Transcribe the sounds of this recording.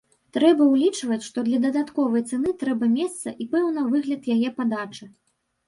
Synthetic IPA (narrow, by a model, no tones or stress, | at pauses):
t̪ɾɛbɐwlʲit͡ʂvɐt͡sʲʂt̪ɔd̪lʲɐd̪ɐd̪at̪kɔvɐjt̪sɛnɨt̪ɾɛbɐmʲɛst̪sɐʔipɛwn̪ɐvɨɣlʲɐt̪jajɛpad̪at͡ʂɨ